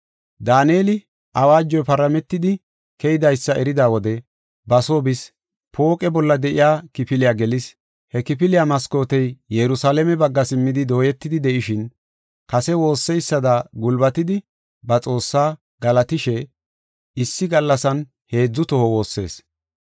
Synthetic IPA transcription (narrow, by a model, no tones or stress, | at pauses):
d̪aːneːlɪ | ʔɐwaːd͡ʒːɔjpɐɾɐmɛt̪ːɪd̪ɪ | kɛjɪd̪ɐjsːɐʔɛɾɪd̪aːwɔd̪ɛ | bɐso̞ːbɪs | pʰo̞ːkʼɛbɔlːɐd̪ɛʔɪjaːkɪpɪlɪjaːɡɛlɪs | hɛkɪpɪlɪjamɐsko̞ːt̪ɛjjɛɾʊsaːlɛmɛbɐɡːɐsɪmːɪd̪ɪd̪o̞ːjɛt̪ːɪd̪ɪd̪ɛʔɪʃɪn | kɐsɛwo̞ːsːɛjsːɐd̪aɡʊlbɐt̪ɪd̪ɪ | bɐt͡sʼo̞ːsːaː | ɡ̥ɐlɐt̪ɪʃɛ | ɪsːɪɡɐlːɐsɐn | he̞ːd͡zːʊt̪ɔhɔwo̞ːsːe̞̰ːs